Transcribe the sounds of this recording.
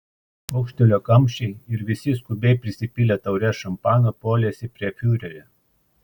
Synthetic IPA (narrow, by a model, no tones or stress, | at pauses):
ɐʊkʃʲt̪ʲɛlʲoːkɐmʲʃʲɛɪɪɾʋʲɪsʲɪskʊbʲɛɪpʲɾʲɪsʲɪpʲɪlʲɛːt̪ɐʊɾʲɛʃɐmpɑːnɐpoːlʲeːsʲɪpʲɾʲiɛfʲuːɾʲɛɾʲɛ